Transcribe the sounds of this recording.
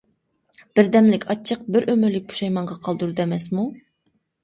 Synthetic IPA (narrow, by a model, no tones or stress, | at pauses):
b̥ɪɾd̪ɛmlɪkʲʰɑt͡ʃʰːəq̚bɪɾʔømyɾlɪk̚ʲbu̥ʃɑjmɑɴʁɑqʰɑlˠd̪uɾud̪ɛmɛsmu